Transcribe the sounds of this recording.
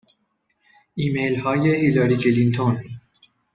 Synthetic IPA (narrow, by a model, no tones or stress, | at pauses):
imejlhɑːjehilɑɾikʰelint̪ʰon